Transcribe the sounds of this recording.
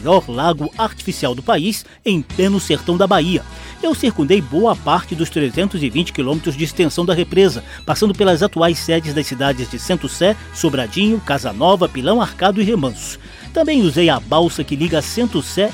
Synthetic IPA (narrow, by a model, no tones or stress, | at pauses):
ʎɔɾlaɡʊaɾt͡ʃi̥fisiawd̪ʊpais | ẽj̃plẽnʊseɾt̪ɐ̃w̃d̪ɐbaiɐ | ewsiɾkũnd̪ejboɐpaɾt͡ʃɪd̪ʊst̪ɾezẽnt̪ʊzɪvĩnt͡ʃɪ̥kilõmet̪ɾʊzd͡ʒɪːst̪ẽsɐ̃w̃d̪ɐɦepɾezɐ | pasɐ̃nd̪ʊpelɐzat̪uajsːɛd͡ʒɪzd̪ɐsid̪ad͡ʒɪzd͡ʒɪsẽnt̪ʊsɛ | sobɾad͡ʒĩɲʊkazɐ̰nɔvɐpilɐ̃w̃aɾkad̪ʊɪɦemɐ̃sʊ̥ | t̪ɐ̃bẽj̃uzejabawsɐkɪliɡɐːsẽnt̪ʊsɛ